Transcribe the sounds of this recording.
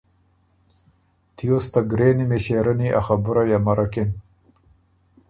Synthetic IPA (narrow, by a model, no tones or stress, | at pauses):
t̪ijost̪aɡɾeːnimeɕeɾaniʔa̰xabʊɾajamaɾaken